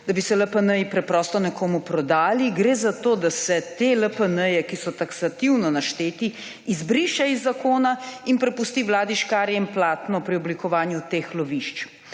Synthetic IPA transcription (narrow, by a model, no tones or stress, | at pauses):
d̪abisɛləpənəjipɾɛpɾɔːst̪ɔnɛkoːmupɾɔd̪aːliɡɾeːzat̪oːd̪asɛt̪eləpənəjɛkisɔt̪aksat̪iwnɔnaʃt̪eːt̪i | izbɾiʃaizːakoːnainpɾɛpust̪iʋlaːd̪iʃkaːɾjɛimplaːt̪nɔpɾiɔblikɔʋaːnjut̪eːxlɔʋiʃt͡ʃ